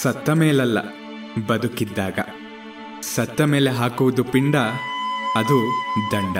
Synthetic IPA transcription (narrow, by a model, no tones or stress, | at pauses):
sɐt̪ːɐmeːlɐlːɐ̰ | bɐd̪ukid̪ːaːɡɐ̰ | sɐt̪ːɐmeːleɦaːkuʋud̪upiɳɖɐ | ɐd̪ud̪ɐɳɖɐ